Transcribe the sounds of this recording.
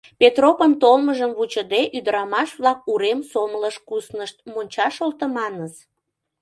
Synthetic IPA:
pet̪ropənt̪olməʒəmβut͡ɕəd̪eʔyd̪əɾɑmɑʃβlɑk̚uɾemsomləʃkusnəʃt̪̚monʲt͡ɕɑʃolt̪əmɑnəz

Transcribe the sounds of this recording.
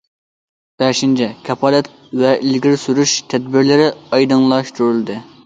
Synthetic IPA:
b̥ɛʃint͡ʃʰɛkʲʰɛpʰɑːlɛt̪ | vɛʔilɡʲiɾsuɾuʃt̪ʰɛd̪̚bɪɾlɪɾɪɑjd̪ɨŋlˠɑʃt̪ʰuɾɨlˠɨd̪ɨ

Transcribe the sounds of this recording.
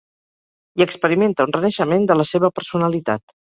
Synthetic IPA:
iəkspəɾiment̪əunrənəʃəmend̪ələseβəpəɾsunəlit̪a̰t̪

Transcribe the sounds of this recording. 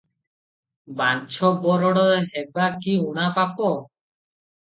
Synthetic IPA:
bant͡ʃʰɔbɔɾɔɽɔɦɛbakiuɽ̃apapɔ

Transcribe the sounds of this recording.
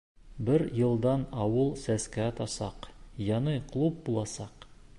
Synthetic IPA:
bɘɾjɤ̆lˠd̪ɑnɒwɤlˠsæskæɒt̪ɑsɑ̰qjɑnɤqlˠup̚bulˠɑsɑq

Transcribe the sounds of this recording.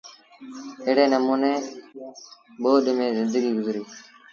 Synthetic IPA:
ɪːɽeːnəmuːneː | ɓoːɗɪmẽːzɪnd̪əɡiːɡʊzɾiː

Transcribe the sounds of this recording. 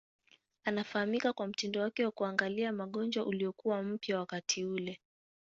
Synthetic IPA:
anafahamikakwam̩tindɔwakɛwakuaŋɡaliamaɠɔnd͡ʒwaʔuliɔkuwam̩pjawakatʰiulɛ

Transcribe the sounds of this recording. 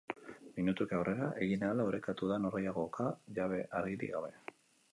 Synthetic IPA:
minut̪ukawre̞ɾaʔe̞ɣinalauɾe̞kat̪uðanorajaɣo̞kaʝaβ̞e̞ʔaɾɣiɾḭɣaβe̞

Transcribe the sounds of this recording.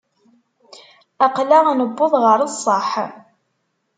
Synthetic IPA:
æqlaænəbːoðˤʁəɾˤəsˤːəħ

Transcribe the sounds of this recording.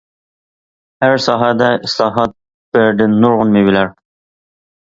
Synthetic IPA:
hæɾsɑːɦɑd̪ɛɪslˠɑːɦɑt̪̚ | b̥æɾd̪ɪnːuɾʁʊnmibɪlæɾ

